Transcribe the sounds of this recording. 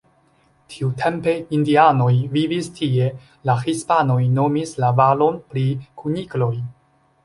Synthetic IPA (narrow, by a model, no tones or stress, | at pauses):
tʰiutʰe̞mpe̞indiano̞jvivistʰie̞ | laxispano̞jno̞mislavalo̞npɾikʰuniklo̞j